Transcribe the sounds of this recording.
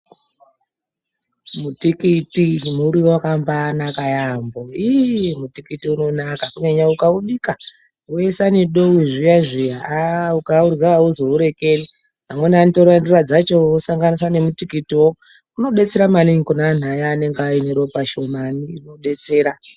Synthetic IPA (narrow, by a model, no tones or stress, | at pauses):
mutikitimuɾiwakambaːnakajambo̞imutikitiuno̞nakakuɲaɲaukauɗika | uesaniɗo̞wiʐijaʐijaaukaurɣaauzo̞uɾe̞ke̞li | ɦamwenanitoɾandurad͡zat͡ʃoosaŋɡanisane̞mutikitiwo | uno̞ɗe̞t͡se̞ɾamaniŋikonaːn̤ajaːne̞ŋɡaeneɾo̞paʃo̞maniːno̞ɗe̞t͡se̞ːɾa